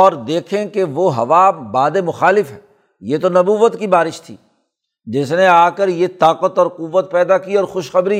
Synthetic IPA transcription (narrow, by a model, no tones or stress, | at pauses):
ɔːɾd̪eːkʰẽkeʋoɦɐʋaːbaːd̪emʊxaːlɪfɦɛː | jet̪onɐbuːʋət̪kibaːɾɪʃt̪ʰḭː | d͡ʒɪsneaːkəɾjet̪aːqət̪ɔːɾqʊʋːət̪̚pɛːd̪akiɔːɾxʊʃxɐbɾi